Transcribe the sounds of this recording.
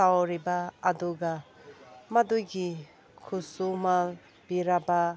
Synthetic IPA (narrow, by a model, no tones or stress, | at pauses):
awɾibaːd̪uɡa | mad̪uɡi | kʰusumal | b̥iɾaba